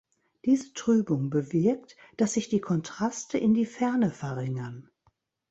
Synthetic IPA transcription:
d̥iːzətʁ̥yːbʊŋbəvɪɐkt | d̥asz̥ɪçd̥iːkʰɔntʁ̥astʰəʔɪndiːfɛɐnəfɛɐʁɪŋɐn

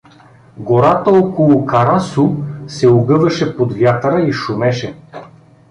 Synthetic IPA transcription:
ɡoɾat̪əɔkolˠʊkɐɾasusɛʊɡɤvɐʃɛpod̪vjat̪ɾəiʃʊmɛʃɛ

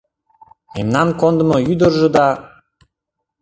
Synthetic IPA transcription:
ḛmnɑnkond̪ə̆mɤ̆jyd̪əɾʒɤ̆d̪ɑ

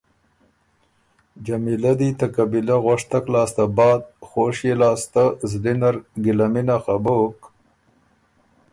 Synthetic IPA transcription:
d͡ʒamilad̪it̪akabilaɣaʂt̪aklɑːst̪abɑːd̪̚xoːʂjelɑːst̪azlinaɾɡɪlaminaxabok

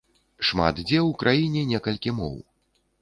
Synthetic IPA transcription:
ʂma̰t̪d͡zʲɛwkɾʔajinʲɛnʲɛkɐlʲkʲimɔ̰w

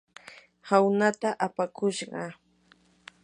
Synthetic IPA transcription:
hawnat̪aʔapakʊʃɢɑ̰

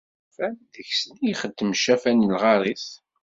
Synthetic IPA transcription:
fænðəçsnijχəd̪ːəmʃæfænilʁɑɾˤiθ

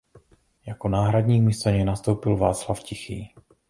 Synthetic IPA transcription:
jakonaːɦɾadɲiːkmɪst̪oɲɛnast̪o̞wpɪlvaːt͡slafcɪxḭː

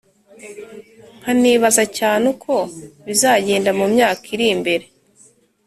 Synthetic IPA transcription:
ŋ̥aniːβazacaːnukʰo̞βizaːɟe̞ːndamumɲaːkʰiɾimbe̞ɾe̞

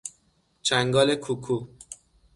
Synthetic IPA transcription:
t͡ʃʰæŋɡɒːlekʰukʰu

